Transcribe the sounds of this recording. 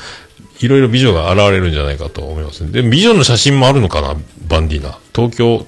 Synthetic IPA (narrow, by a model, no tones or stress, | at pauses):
iɾo̞iɾo̞bʲiʑo̞ɡaːɾaβaɾe̞ɾɯ̟̃ɲ̟d͡ʑanaikat̪o̞omo̞imasɨned̪e̞mo̞bʲiʑo̞nːo̞ɕaɕĩmːo̞aɾɯ̟no̞kana̰bãndʲina̰t̪o̞ːkʲo̞ː